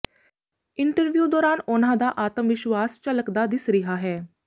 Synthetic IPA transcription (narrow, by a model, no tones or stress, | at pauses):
ɪɳʈəɾʋjuːd̪ɔːɾaːnʊnãːd̪aːʔaːt̪əmʋɪʃwaːst͡ʃələkd̪aːd̪ɪsɾɪɦaːɦɛː